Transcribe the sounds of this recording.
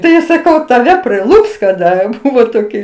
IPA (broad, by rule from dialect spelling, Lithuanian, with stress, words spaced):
ˈtɐɪ sɐˈkɐʊ tɐˈʋʲɛ pʲrʲɪˈlˠʊps kɐˈdɐ ˈbʊʋoː ˈtoːkʲɪ